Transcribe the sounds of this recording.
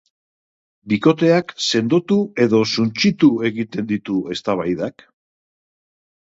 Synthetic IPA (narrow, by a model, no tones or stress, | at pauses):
biko̞t̪e̞akse̞nd̪ot̪ue̞ðo̞sunt͡ʃit̪ue̞ɣit̪e̞nd̪it̪ue̞st̪aβ̞ajðak